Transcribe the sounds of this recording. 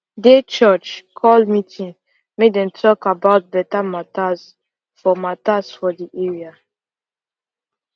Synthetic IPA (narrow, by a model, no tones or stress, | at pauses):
det͡ʃɜt͡ʃkʰɔlmitʰĩŋ | medɛ̃ntʰɔkabaʊt̚bɛtamatas | fɔmatasfɔdiʔɛɹia